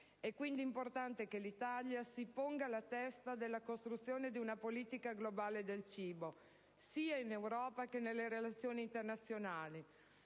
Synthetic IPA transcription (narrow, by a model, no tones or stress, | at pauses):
ɛkːwind̪iːmport̪ant̪ekelit̪aljasipoŋɡalat̪ɛst̪ad̪elːakost̪ɾut̪sːjoːned̪iunapoliːt̪ikaɡlobaːled̪elt͡ʃiːbo | siːainewɾɔːpakenelːeɾelat̪sːjoːniːnt̪ernat̪sːjonaːli